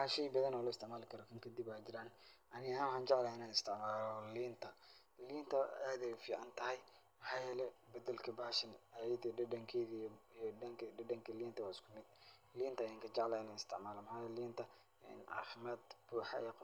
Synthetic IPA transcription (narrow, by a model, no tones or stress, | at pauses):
ħaːʃɛjbɐðɐnɔːlʊɪst̪ɪʕmaːlɪkʰɐɾɔkʰɐŋkʰɐd̪ibaːd͡ʒɪɾaːn | ɐnɪɣaːwħaːnt͡ʃɛʕlaːɪnaːnɪst̪ʰɪʕmaːlɔliːnt̪ʰɐ | liːnt̪ʰɐaːd̪ɛjʊfiːʕɑnt̪ʰɐɦɛj | mɑħɑːjɛːlɛbɐd̪ɐlkʰɐbaːʃɐnajd̪iɖɐɖɐŋkʰɛːðiijŋɐɖɐŋkʰɐliːnt̪ʰɐwaːɪskʰʊmɪd̪̥ | liːnt̪ʰɐːjaːŋkʰɐd͡ʒɑʕlaːɪnaːnɪst̪ʰɪʕmaːlɔmɐħaːjɛːliːnt̪ʰɐ | ɛ̰ːnʕɑ̰ːfɪmaːd̪b̥uːħɑ̰ɛ̰ːq